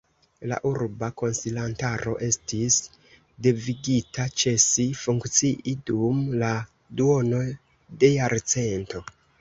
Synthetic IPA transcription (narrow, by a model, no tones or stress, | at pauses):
la̰ʔuɾbako̞nsilantaɾo̞̰ʔe̞stis | deviɡitʰat͡ʃe̞sifuŋkt͡siʔidumla | duo̞no̞ | de̞jaɾt͡se̞nto̞